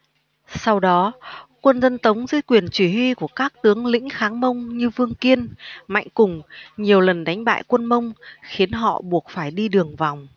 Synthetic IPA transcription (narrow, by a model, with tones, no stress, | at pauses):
sa˧wɗɔ˨˦kwə˧nzə˧nt̪ə˨˦wŋ͡mzɨ˧˦kwi˨˩ənt͡ɕwi˧˩hwi˧ku˧˩əkaː˦˥k̚t̪ɨ˨˦əŋlḭ̈˧˥ŋ̟xaː˨˦ŋmə˧wŋ͡mɲɨ˧vɨ˧əŋki˧ənma̰˧˨jŋ̟kʊ˨˩ŋ͡mɲi˨˩əwlə˨˩nɗa˨˦jŋ̟ɓa̰ː˧˨jkwə˧nmə˧wŋ͡mxi˨˦ənɦɔ̰˧˨ɓu˨˩ək̚faː˧˩jɗi˧ɗɨ˨˩əŋva˨˩wŋ͡m